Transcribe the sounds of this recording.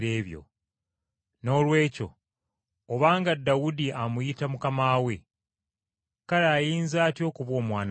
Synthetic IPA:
e̞ːβjo̰ | no̞ːlwe̞ːco̞̰ | oβaːŋɡadːawudiamujitamukamaːwe̞ | kaɾeajiːnzaːtjo̞ːkuβwo̞ːmwaːn

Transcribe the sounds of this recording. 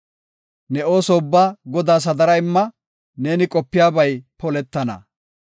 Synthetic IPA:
nɛo̞ːsɔʊbːaːɡɔd̪aːs̬ɐd̪ɐɾɐɪmːɐ | ne̞ːnɪkʼɔpːɪjaːbɐjpɔlɛt̪ːɐnɐ̰

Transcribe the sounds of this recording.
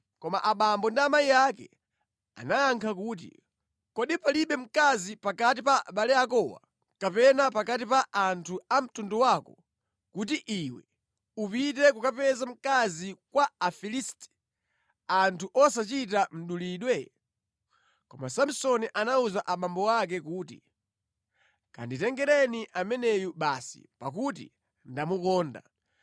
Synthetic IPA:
kɔmaʔaɓambɔndiamaijakɛ̰ | a̰najaŋkʰakuːt̬ḭ | kɔɗipaliɓɛm̩kazipakat̬ipaʔaɓalɛakɔwa̰ | kapɛnapakatipaʔantʰuam̩tundɔwakɔ | kutiʔiwɛ̰ | upitɛkukapɛzam̩kazikwaafilistɛ̥ | antʰuʔɔsat͡ʃitam̩ɗuliːɗwɛ | kɔmasam̩sɔniʔanauzaʔaɓambɔwak̬ɛkuːtḭ | ka̰nditɛŋɡɛɾɛniʔamɛnɛjuɓasḭpak̬ut̬ḭ | ndamukɔːnda̰

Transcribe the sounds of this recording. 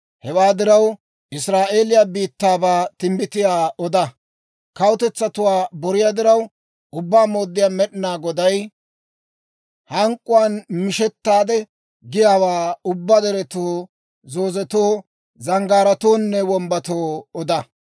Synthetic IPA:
hɛwaːd̪ɪɾɐw | ʔɪsɾaːʔe̞ːlɪjaːbiːt̪ːaːbaːt̪ɪmbɪt̪ɪjaːɔd̪ɐ | kɐwʊt̪ɛt͡sːɐt̪ʊwaːbɔɾɪjaːd̪ɪɾɐw | ʊbːaːmo̞ːd̪ːɪjaːmɛɗɪnaːɡɔd̪ɐj | hɐŋkʼːʊwaːnmɪʃɛt̪ːaːd̪ɛ | ɡɪjaːwaːʊbːɐd̪ɛɾɛt̪oː | zo̞ːzɛt̪oː | zɐŋɡaːɾɐt̪oːnːɛwɔmbɐt̪oːɔd̪ɐ

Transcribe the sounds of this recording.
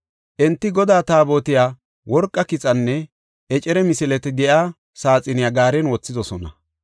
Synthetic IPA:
ʔɛnt̪ːɪɡɔd̪aːt̪aːbo̞ːt̪ɪjaː | wɔɾkʼːɐkɪt͡sʼɐnːɛ | ʔɛt͡ʃʼɛɾɛmɪsɪlɛt̪ɛd̪ɛʔaː | saːt͡sʼɪnɪjaːɡaːɾɛnwɔt͡sːɪd̪ɔsɔnɐ̰

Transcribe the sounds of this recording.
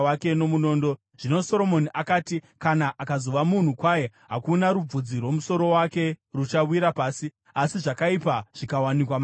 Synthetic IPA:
wake̞no̞muno̞ːndo̞ | ʐ̥ino̞so̞ɾo̞mo̞niʔakaːtikanaʔakazo̞ʋamun̤ukwajeɦakunaɾub͡vud͡zirwo̞muso̞ɾo̞wake̞rut͡ʃawiɾapaːsi | asiʐakaipaʐ̥ikawanikwam

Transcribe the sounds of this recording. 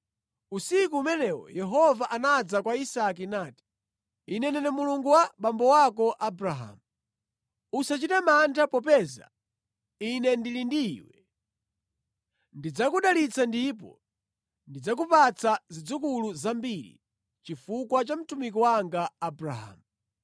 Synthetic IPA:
usikuːmɛnɛwɔ̰jɛɦɔvaʔanad͡zakwaisak̬inaːti̥ | inɛnɛnɛmuluŋɡuwaɓambɔwakɔʔabɾaɦa̰mu | usat͡ʃitamantʰapɔp̬ɛza̰ | inɛndilindiːwɛ | ndid͡zakuɗalit͡sʰandip̬ɔ̰ | ndid͡zak̬upat͡sʰazid͡zukuluzambiɾḭ | t͡ʃifukwat͡ʃam̩tumik̬ɔwaŋɡaːbɾa̰ɦa̰ːmu

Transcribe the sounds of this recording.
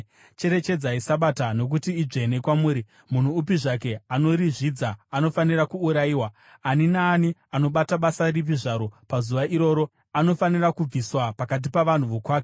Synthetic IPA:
t͡ʃe̞ɾe̞t͡ʃe̞d͡zaisaɓatano̞k̬utiːʐe̞ne̞kwamuːɾi | mun̤uːpiʐake̞ano̞ɾiʐid͡zaːno̞fanirakuːɾaiːwaː | ninaːniano̞ɓataɓasarip̬iʐaɾo̞pazuʋaʔiɾo̞ːɾo̞ | ano̞fanirakub͡viswapakat̬ipaʋan̤uʋokwaːke

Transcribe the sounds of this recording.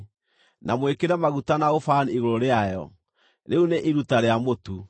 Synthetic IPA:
namwekeɾamaɣutanaofaːniɣoɾoɾeajɔ | ɾeuneʔiɾutaɾeamotu

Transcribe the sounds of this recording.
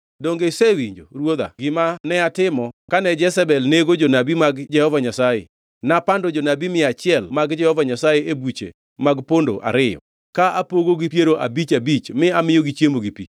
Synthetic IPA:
doŋɡesewiɲd͡ʒoɾwod̪a̰ɡɪmanɛatɪmɔkanɛd͡ʒɛsɛbɛlneɡod͡ʒonabimaɡd͡ʒɛhɔvaɲasajḛ | napandod͡ʒonabimɪat͡ʃɪɛlmaɡd͡ʒɛhɔvaɲasajeʔebut͡ʃḛ | maɡpondo̰ʔa̰ɾɪjɔ̰ | kaʔapoɡoɡipjeɾoʔa̰bit͡ʃabit͡ʃmɪamɪjoɡit͡ʃjemoɡipi

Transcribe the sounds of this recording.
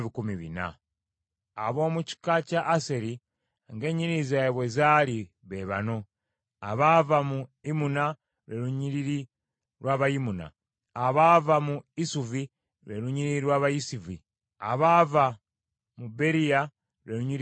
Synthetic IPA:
βikumiβḭna̰ | a̰βo̞ːmuci̥kacaʔːseɾi | ŋɡe̞ːɲiɾizajeβwezali | βe̞βa̰no̞ | a̰βavamuimuna | we̞luɲiɾiɾi | ɾwaːβajimuna̰ː | βavamuisuvi | ɾeɾuɲiɾiiɾwaːβajisivi | a̰βava | mube̞ɾija | ɾweɾuɲiɾ

